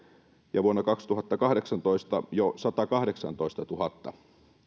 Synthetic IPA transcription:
jɑʋuonːɑkɑkst̪uɦɑt̪ːɑkɑhɾeksɑnt̪oist̪ɑjosɑt̪ɑkɑhɾeksɑ̰nt̪oist̪ɑt̪uhɑt̪ːɑ

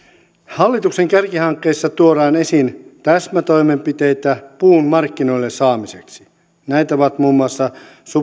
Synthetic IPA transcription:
hɑlːit̪ukse̞ŋkærkihɑŋkːe̞ːsːɑt̪uoɾɑːne̞sint̪æsmæt̪o̞jme̞mpit̪e̞jt̪æpuːnmɑrkːino̞jlːessɑːmise̞ksi̥ | næjt̪æoʋɑt̪muːmːuɑsːɑsu

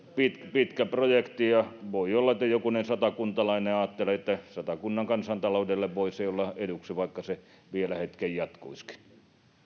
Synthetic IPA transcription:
pit̪pit̪kæprojekt̪ijɑʋoiolːɑĕt̪ːæjokunensɑt̪ɑkunt̪ɑlɑineɑːt̪ːeleet̪ːæsɑt̪ɑkunːɑŋkɑnsɑnt̪ɑloudelːeʋʋoiseiolːɑeduksiʋɑikːɑse | ʋielæhet̪kejjɑt̪kuiski̥n

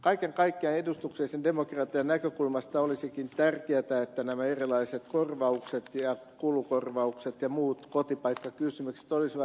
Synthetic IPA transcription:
kɑikeŋkɑikːeɑnedust̪ukseːsendemokrɑt̪iɑnnækøkulmɑst̪ɑolisikint̪ærkeæt̪æet̪ːænæmæerilɑiset̪korʋɑukset̪jɑ | kulukorʋɑukset̪jɑmuːt̪kot̪ipɑikːɑkysymykse̥t̪olisʋɑ

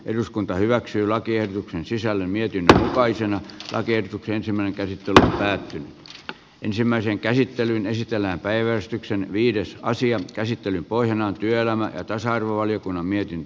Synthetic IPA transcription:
ʔeruskunt̪ɑhyʋæksyːlɑkiehdot̪uksensisælːemmiet̪inːømukɑisenɑlʔɑ̰kiehdot̪ukseensimːˑæˑineŋkæsit̪ːelyo̰mpæːt̪ːyny | ʔensimːæiseŋkæsit̪ːelynesit̪elːæːmpæiʋæst̪yksenʋiːdesɑ̰siɑkæsit̪ːelympoihjɑnɑːnt̪yøelæmæjɑ̰t̪ɑsɑɑrʋoʋɑlijokunːɑmmiet̪int̪ø

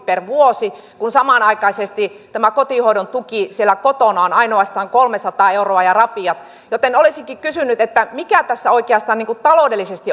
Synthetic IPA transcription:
perʋuosi | kunsɑmɑnɑikɑisest̪it̪æmækot̪ihoiɾont̪ukisielːˑækot̪onɑonɑinoɑst̪ɑːŋkolmesɑt̪ɑːeuroɑjɑrɑpiɑt̪ | jot̪enolisiŋkikysynyt̪et̪ːæmikæt̪æsːæoikeɑst̪ɑːnniːŋkut̪t̪ɑloˑdelːisest̪i

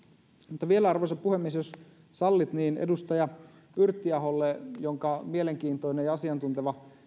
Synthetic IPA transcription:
mut̪ːɑʋielæɑrʋoisɑppuhemːiesjos | sɑlːit̪niːnḛdust̪ɑjɑ | yrt̪ːiɑɦolːejoŋkɑmieleŋkiːnt̪oinejɑsiɑnt̪unt̪eʋɑ

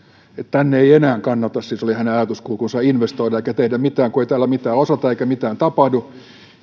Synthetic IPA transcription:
et̪t̪ænːeienæːŋkɑnːɑt̪ɑssisolihæneɑjɑt̪uskuːkunsɑiinʋest̪oiɾɑeikæt̪ehdæmit̪æːŋkueit̪æːlæmit̪æːosɑt̪ɑeikæmit̪æːnt̪ɑpɑhdu

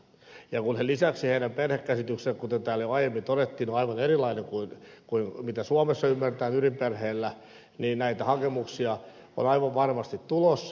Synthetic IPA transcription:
jɑkunhelisæksiheidæmperhekːæsit̪yksekkut̪ent̪æːljoɑijemːint̪oɾet̪ːiːnoɑiʋɑnerilɑineŋkuinkuinmit̪æsuɑmesːɑymːært̪æːnyrimperheːlːæ | niːnnæit̪æhɑkemuksiɑ | o̰nɑiʋɑʋʋɑrmɑst̪it̪t̪ulos

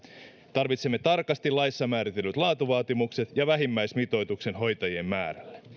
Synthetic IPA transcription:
t̪ɑrʋit̪semːet̪ɑrkɑst̪ilɑjsːɑmæːɾit̪e̞lːyt̪lɑːt̪uʋɑːt̪imukse̞t̪jɑʋæɦimːæjsmit̪o̞jt̪ukse̞nɦo̞jt̪ɑjie̞mmæ̰ːɾælːe

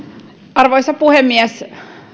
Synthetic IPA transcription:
ɑrʋoisɑpuhemːiɛs

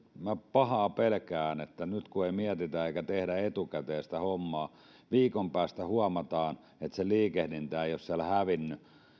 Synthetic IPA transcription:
mæpɑhɑːpelkæːnet̪ːænyt̪kueimiɛt̪it̪æeikæt̪ehɾæet̪ukæt̪eːst̪æhomːɑː | ʋiːkompæːst̪æhuɑmɑt̪ɑːn | et̪seliːkehdint̪æːjossiælæhæʋinːy

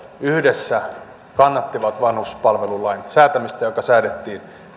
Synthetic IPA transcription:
yhdesːæ | kɑnːɑt̪ːiʋɑt̪ʋɑnhuspɑlʋelulɑinsæːt̪æmist̪æjokɑsæːdet̪ːiːn

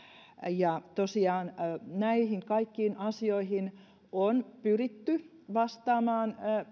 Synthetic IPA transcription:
jɑt̪osiɑːnnæihiŋkɑikːiːnɑsioihin | onpyrit̪ːy | ʋɑst̪ɑːmɑːn

